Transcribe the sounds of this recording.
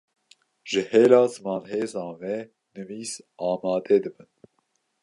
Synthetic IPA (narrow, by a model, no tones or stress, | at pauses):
ʒ̥ɨheːlɑːzmɑːnɦeːzɑ̃ːnvɛ | nɨviːsɑːmɑːd̪ɛːd̪ɨbɨn